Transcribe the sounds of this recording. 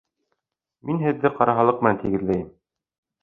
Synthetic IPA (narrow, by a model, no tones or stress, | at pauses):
minɦɘ̆ðːɘqɑɾɑɦɑlˠɤq̚mænt̪iɡɘ̆ðlæjɘm